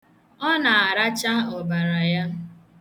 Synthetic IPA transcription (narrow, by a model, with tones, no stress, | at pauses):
ɔ˦na˨a˨ɾa˦t͡ʃa˦ɔ˨ba˨ɾa˨ja˦